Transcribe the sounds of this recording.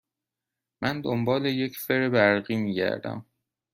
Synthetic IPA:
mʔænd̪ombɒːle̞je̞cʰfe̞ɾebæɾɢiːmiːɟæ̰ɾd̪æ̰m

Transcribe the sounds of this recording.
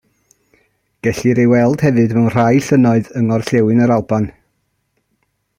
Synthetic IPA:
ɡ̥ɛɬiɾejwɛlˠd̥hɛvɨdmɛwnr̥ajɬənɔɨðəŋɔrɬɛwɨnəɾalˠban

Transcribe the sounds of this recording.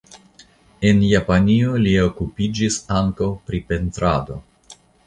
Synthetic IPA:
e̞njapanio̞lio̞kupid͡ʒisaŋkawpɾipe̞ntɾado̞̰

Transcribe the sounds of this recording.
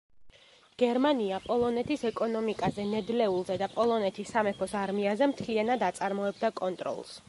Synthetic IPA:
ɡ̥ɛɾmaniapʼɔlˠɔnɛt̪ʰisɛkʼɔnɔmikʼazɛnɛd̪lɛulˠzɛd̪apʼɔlˠɔnɛt̪ʰisːamɛpʰɔsaɾmiazɛmt̪ʰlianad̪at̪sʼaɾmɔɛbd̪akʼɔnt̪ʼɾɔ̰lˠs

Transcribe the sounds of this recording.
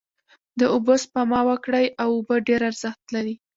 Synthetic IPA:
d̪əʊbospamɑwakɽajawʊbəɖeɾaɾz̥əxt̪laɾi

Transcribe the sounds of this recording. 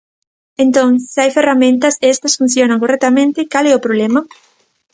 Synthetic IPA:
ẽnt̪õŋsɪajferamẽnt̪ɐsɛst̪ɐsfun̟θjonaŋkorɛk̚t̪amẽnt̪ɪkalɛʊpɾoβlemɐ

